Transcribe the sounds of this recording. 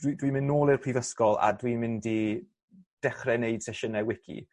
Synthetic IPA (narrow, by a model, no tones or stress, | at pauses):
widwimɪnːoːlˠirpʰrivəskɔlˠa̰dwimɪndi | d̥ɛχrɛneɨd̥sɛʃənɛwɪkʰḭ